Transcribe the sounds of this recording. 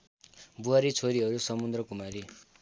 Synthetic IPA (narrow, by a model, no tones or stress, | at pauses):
buɦaɾit͡sʰoɾiɦʌɾusʌmund̪rʌkumaɾi